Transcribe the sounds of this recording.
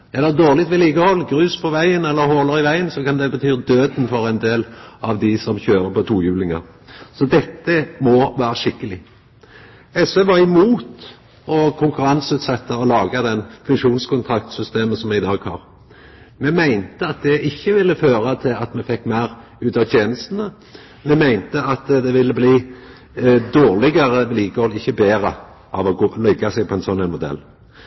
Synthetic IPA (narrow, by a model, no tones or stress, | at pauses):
ɛlːəɾd̪oːʁlɪt̪ʋɪliːɡəhɔlːɡɾʉːspʰɔʋæɪənɛlːəɾɦoːləʁɪʋæɪənsɔkɑnd̪ɛbət̪ʰyːʁd̪øːd̪n̩fɔɾɛɪnd̪eːlɑʋd̪ɪsɔmçøːɾəpɔt̪ʰuːjʉːlɪŋɑ̰ʁ | sɔd̪ɛt̪ːəmɔʋæːɾəʃɪkːəlɪ | ɛsʋeʋɑɾɪmuːt̪ | ɔkʰʊŋkʉɾɑnsʉːt̪sɛt̪ːəɔlɑːɡɑd̪ɛnfʉŋʃuːnskʰʊnt̪ʰʁɑkt̪sʏst̪eːməsɔmɛɪd̪ɑːɡhɑ̰ːʁ | mɛmæɪnt̪əɑt̪̚d̪ɛʔɪçːəʋɪlːəføːʁɑt̪ʰɪlɑt̪mɛfɛkːmæɪʁ | ʉːt̪ɑt̪ʰjeːnəsn̩ə | mɛmæɪnt̪əɑt̪d̪ɛʋɪlːəbliː | d̪oːʁlɪɡəʁəʋliːkɔlɪçːəbeːʁə | ʔɑ̰ʋɔɡolɛɡːɑsɛɡ̚pʰɔɛɪnsɔnæɛɪnmʊd̪ɛ̰lː